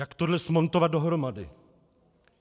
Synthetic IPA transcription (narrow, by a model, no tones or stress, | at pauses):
jakt̪odlɛsmo̞nt̪ovad̪̚do̞ɦɾo̞madɪ̰